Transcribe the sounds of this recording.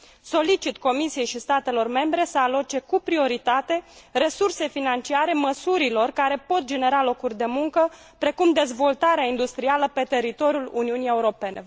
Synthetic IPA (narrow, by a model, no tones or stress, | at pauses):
so̞lit͡ʃit̪ko̞misije̞jʃist̪at̪e̞lo̞rme̞mbɾe̞səalot͡ʃe̞kupɾio̞ɾit̪at̪e̞re̞surse̞finant͡ʃiaɾe̞məsuɾilo̞rkaɾe̞po̞t̪̚d͡ʒe̞ne̞ɾalo̞kurʲd̪e̞muŋkə | pɾe̞kumd̪e̞zvo̞lt̪aɾeaind̪ust̪ɾialəpe̞t̪e̞ɾit̪o̞ɾʲjuluniunije̞uɾo̞pe̞ne̞